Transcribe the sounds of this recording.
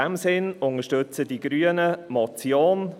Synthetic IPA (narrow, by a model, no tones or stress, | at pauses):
ɛmsɪnʊŋəʃtɵt͡sədiɡɾyːənəmɔt͡sjoːn